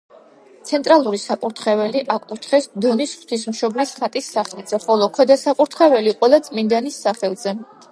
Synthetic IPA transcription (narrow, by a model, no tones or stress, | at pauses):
t̪sʰɛnt̪ʼɾalˠuɾisapʼuɾt̪ʰχɛvɛliʔakʼut̪ʰχɛsd̪ɔnisχw̥t̪ʰis̬mʃɔblisχat̪ʼisːaχlit̪z̥ɛχɔlˠɔkʰwɛd̪asapʼuɾt̪ʰχɛvɛliqʼwɛlˠat̪sʼmind̪anisːaχɛlˠz̥ɛ